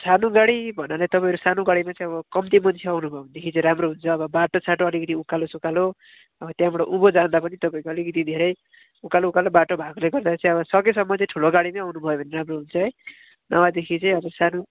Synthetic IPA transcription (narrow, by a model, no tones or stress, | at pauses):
sanoɡaɽibʱʌnalat̪ʌpãj̃ʌɾusanoɡaɽimat͡sʌ̃ĩʌβʌkʌmt̪imʌnt͡sʰeawnubʱʌond̪ekʰit͡sʌ̃ɾamroɦunt͡sʰʌːβʌbaʈot͡sʰaʈoʌlikʌt̪̬iukalosukalo | ʌbʌt̪jãbʌɽoʔubod͡zand̪apʌnit̪ʌpaĩkoʌlikʌt̪̬id̪ʱeɾʌj | ukaloukalobaʈobʱaɡleɡʌrd̪at͡sʌ̃ĩʌβʌsʌkesʌmːʌʌ̃ʈʰuloɡaɽimaawnubʱʌjobʱʌneɾamroɦunt͡sʰʌɦʌj | nʔʌwad̪ekʰit͡sʌj̃ʌbʌsano